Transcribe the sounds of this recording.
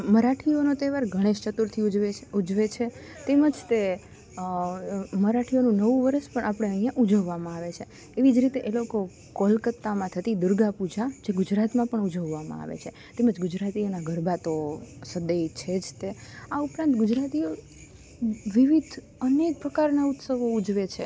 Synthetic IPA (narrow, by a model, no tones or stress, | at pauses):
məɾaʈʰionot̪eʋaɾɡʱəɽ̃eʃt͡ʃət̪uɾt̪ʰid͡ʒeud͡ʒʋet͡ʃʰe | t̪eməd͡ʒt̪e | məɾaʈʰijonũnəʋũʋəɾəʃpəɳʔapəɽ̃eəɦijãʔud͡ʒəʋːamãaʋet͡ʃʰeː | ʋid͡ʒɾit̪eʔeloko | kolkət̪ːamãt̪ʰət̪id̪ʊɾɡapud͡ʒad͡ʒeɡud͡ʒɾat̪mãpəɳud͡ʒəʋːamã̰a̰ʋḛt͡ʃʰe | t̪eməd͡ʒɡud͡ʒɾat̪ionaɡʱəɾbʱat̪osəd̪ejt͡ʃʰed͡ʒt̪eaupɾãnt̪ɡʊd͡ʒɾat̪io | ʋiʋid̪ʱ | ənek̚pɾəkaɾnaut̪səʋoud͡ʒʋet͡ʃʰe